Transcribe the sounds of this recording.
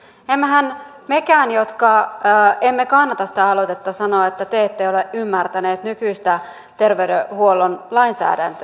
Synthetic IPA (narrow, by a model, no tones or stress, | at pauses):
emːæɦæn | mekæːnjot̪kɑ | emːekɑnːɑt̪ɑsi̥t̪æɑlot̪et̪ːɑsɑnoːet̪ːæt̪eet̪ːejo̞leʔymːært̪æneːt̪nykyist̪æ | t̪e̞rʋeydehuolonlɑinsæ̰ːdæ̰nt̪ø